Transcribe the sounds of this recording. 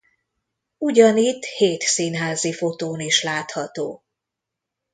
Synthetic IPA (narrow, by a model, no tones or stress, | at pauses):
uɟɒnit̪ːheːt̪siːnɦaːzifo̞t̪oːniʃlaːt̪hɒt̪oː